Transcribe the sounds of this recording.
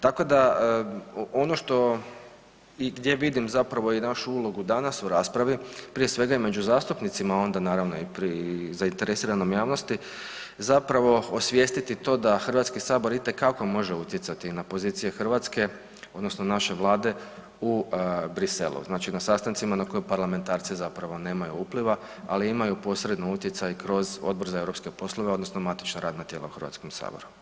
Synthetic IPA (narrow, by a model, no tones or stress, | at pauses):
t̪ako̞d̪a | o̞no̞ʃt̪o̞ | iɡd̪je̞ʋid̪imzapɾaʋo̞inaʃuulˠo̞ɡud̪anasuɾaːspɾaʋipɾije̞sʋe̞ɡaime̞d͡ʑuzaːst̪upnit̪simao̞nd̪anaːɾaʋno̞̰ipɾizaint̪eɾesiːɾanomjaːʋno̞st̪i | zapɾaʋo̞osʋje̞st̪it̪it̪o̞ːd̪axr̩ʋat̪skisaːbo̞ɾit̪e̞kːako̞mo̞ʒeut̪jetsat̪inapo̞ziːt̪sije̞xrʋat̪ske̞ | o̞d̪nosnonaʃe̞ʋlˠaːd̪e̞ | ubɾise̞̰lṵznaːt͡ʃinasast̪ant̪simanako̞jepaɾlame̞nt̪aːɾt̪sizapɾaʋo̞ne̞ːmajuuːpliʋa | a̰liimajupo̞sɾed̪nout̪jet̪sajkɾo̞zo̞̰d̪̚bo̞ɾzaeɾo̞pske̞po̞slˠo̞ʋeo̞d̪no̞snomat̪i̥t͡ʃnaɾaːd̪nat̪jeːlˠa̰uxrɾʋa̰t̪skomsa̰ːboɾu